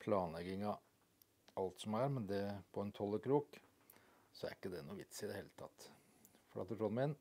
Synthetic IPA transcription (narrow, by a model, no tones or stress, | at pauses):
pʰlɑːnlɛɡɪŋɑ | ɑlt̪sɔmæɾmɛnd̪ɛpʰɔɛnt̪ʰɔlːəkɾuːk | sɔæ̰ɾɪkːəd̪ɛnuːʋɪt̪sɪd̪ɛheːlət̪ʰɑ̰t̪ː | fɔɾɑ̰ːt̪əʈ̪ɾɔlmɪn